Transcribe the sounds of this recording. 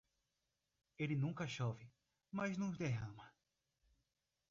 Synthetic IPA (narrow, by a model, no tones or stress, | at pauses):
elɪnũkɐʃɔvɪ | mɐznʊ̃zd̪eɦɐ̃mɐ